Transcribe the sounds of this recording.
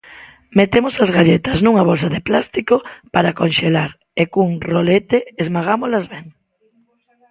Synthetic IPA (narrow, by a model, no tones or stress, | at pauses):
met̪emosazɣaʎet̪ɐznũŋaβ̞ols̬aðeplast̪ikopaɾakõnʃelaɾ | ekuŋrolet̪eezmaɣ̞amolazβɛŋ